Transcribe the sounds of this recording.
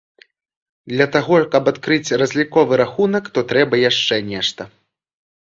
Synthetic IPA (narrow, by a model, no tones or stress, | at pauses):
d̪lʲɐt̪aɣɔkɐpat̪kɾɨt͡sʲrɐzʲlʲikɔvɨɾaxunɐkt̪ɔt̪ɾɛbɐjaʂt͡ʂɛnʲɛʂt̪ɐ